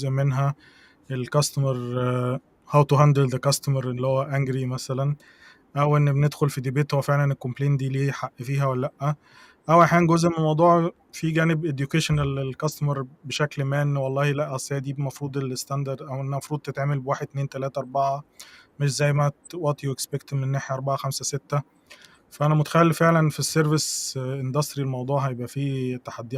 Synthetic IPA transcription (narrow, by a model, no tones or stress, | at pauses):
zʔmːenɦæ | ʔelkɑst̪ɑmɑɾˤ | hæwt̪oɦænd̪eld̪ekɑst̪omɑɾˤʔelːihowːæʔæŋɡɾimæsælæn | ʔæwʔenːbened̪xolfid̪ibeːt̪howːæfeʕlænelkːompleːnd̪iːliːħaʔːfiːɦæwælːæːæʔːæ | ʔæwʔaħjæːnɡozʔmemɑwd̪ˤuːʕ | fiɡæːnebʔed̪jukeʃænelelkɑst̪mɑɾˤbeʃæklmæːnːwɑlˤːɑːhilæʔːæsˤːæːʕd̪iːmɑfɾuːd̪ˤelest̪ænd̪ɑɾd̪ʔæwʔenːæmɑfɾuːd̪̚t̪et̪ʕaːmælbewaːħed̪̚t̪neːnt̪ælæːt̪æʔɑɾˤbɑʕɑ | meʃ̬zæjːmæt̪wɑt̪ˤiwekspekt̪menːaːħjæʔɑɾˤbɑʕɑxæmsæset̪ːæ | fæʔænæmot̪æ̥xælːifeʕlænfisːeɾvesʔend̪ɑst̪ɾilmɑwd̪ˤuːʕhæjebʔæfiːt̪ːæħad̪ːiʔ